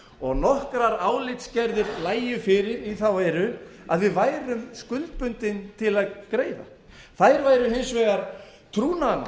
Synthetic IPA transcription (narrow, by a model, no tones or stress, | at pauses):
ɔɣnɔhkɾaɾaːwlɪt̪scɛɾðɪɾlaːjʏfɪɾɪɾiθawvajɾʏaðvɪðvaːjɾʏmskʏlt̪̚pʏnt̪ɪnt̪ʰɪlaðkɾeːjða̰ | θajɾvaːjɾʏɦɪnsvɛɣaɾ̥ | t̪ʰɾuːnana